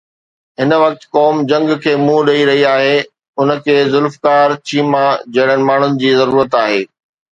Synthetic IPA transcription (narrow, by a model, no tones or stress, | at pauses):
ɦɪn̆ʋɐk̚t̪kɔːmd͡ʑɐ̃ŋɡkʰeːmũɗɐiɾɐɦiaːɦeː | ʊnə̆kʰeːzʊlfkaːɾt͡ɕʰiːmãd͡ʑɐɦɪɽ̤ənɪ̆maːɳ̤ʊnɪ̆d͡ʑiːzɐɾuːɾət̪aːɦeː